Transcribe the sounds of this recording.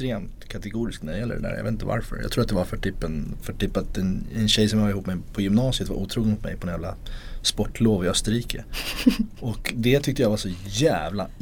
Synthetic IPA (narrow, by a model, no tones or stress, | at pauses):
t̪ɾeːmt̪kʰat̪ɛɡuːɾɪsknæɖɛjɛlːə̰ɖɛ̰d̪æ̰ɾjɑ̰vḛt̪t̪ə̰a̰ɾfœ̰ɾjɑ̰ɡt̪ʰɾuːɾt̪d̪ɛvaɾfœʈʰyːpːɛnfœʈyːpːat̪ɛnɛnɕɛjsɔmhɑlɾɪhuːpmɛjpʰɔjʏmnɑːsɪət̪va̰ʔuːt̪ʰɾuːɡ̪nmʊt̪mɛ̰jpʰɔd̪ɛnjæːlaspɔʈːloːvɪœst̪əɾiːkʰə | ɔkd̪ɛt̪ʰʏkt̪əjavasɔjæːvla